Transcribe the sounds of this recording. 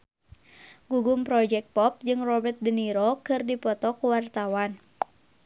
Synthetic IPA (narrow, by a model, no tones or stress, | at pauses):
ɡuɡumpɾɔd͡ʒɛk̚t̪̚pɔp̚d͡ʒɨŋrɔbət̪̚dəniɾɔkɨrdipɔt̪ɔkuwart̪awan